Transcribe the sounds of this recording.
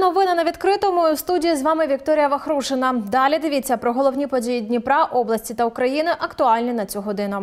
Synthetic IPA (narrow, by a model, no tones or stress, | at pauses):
nɔvɨnɐnɐvʲit̪kɾɨt̪ɐmɔjust̪udʲijizvamɨvʲikt̪ɔɾɨjɐvɐxɾuʂɨnɐd̪alʲɛd̪ɨvʲit͡sʲɐpɾɐɣɔlˠɔwnʲipɐd͡zʲejidʲnʲipɾaʔɔblˠɐsʲt͡sʲit̪ɐukɾajinɨʔɐkt̪ualʲnʲinɐt͡sʲuɣɔd̪ɨnʊ